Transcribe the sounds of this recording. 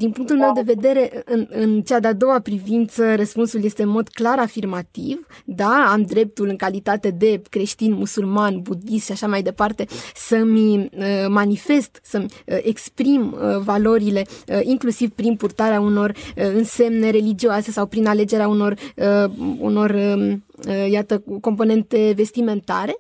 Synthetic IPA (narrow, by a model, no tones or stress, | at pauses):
d̪inpuŋkt̪ulme̞wd̪e̞ve̞d̪e̞ɾe̞ʔɨɨnɨnt͡ʃad̪ead̪o̞wapɾivint̪sərəspunsulje̞st̪e̞ɨnmo̞d̪klaɾafirmat̪ivd̪aamd̪ɾe̞p̚t̪ulɨŋkalit̪at̪e̞d̪e̞kɾe̞ʃt̪inmusulmanbud̪ist̪ʃiaʃamajd̪e̞part̪e̞səmʲəmanife̞st̪səmʲʔe̞kspɾimvalo̞ɾile̞ʔiŋklusivpɾinpurt̪aɾeauno̞rɨnse̞mne̞ɾe̞lid͡ʒioase̞sawpɾinale̞d͡ʒe̞ɾeauno̞rəṵno̞rə | jat̪əko̞mpo̞ne̞nt̪e̞ve̞st̪ime̞nt̪a̰ɾe̞